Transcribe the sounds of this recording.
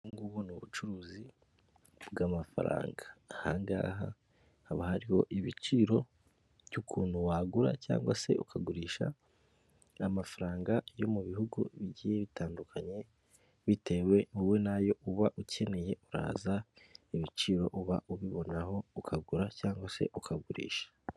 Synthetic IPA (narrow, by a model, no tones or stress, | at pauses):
ŋɡuβunuβut͡ʃuɾuːzi | bɡamafa̰ɾa̰ːŋɡahaːŋɡa̰ːɦa | haβahaɾiho̞ʔiβit͡ʃiɾo̞ | βjukʰuːnhuwaːɡuɾa̰ca̰ːŋɡwase̞ukʰaɡuɾiːʃa̰ | amafaɾaːŋɡajo̞muβihuɡṵβiɟiːjeβitʰaːndukʰaɲe̞ | βitʰe̞we̞uwe̞najo̞ʔuβaʔucʰe̞ne̞je̞uɾa̰ːzaiβit͡ʃiːɾo̞ʔuβa̰ʔuβiβo̞naho̞ukʰaɡuɾacaːŋɡwase̞̰ʔukʰaɡuɾḭːʃḁ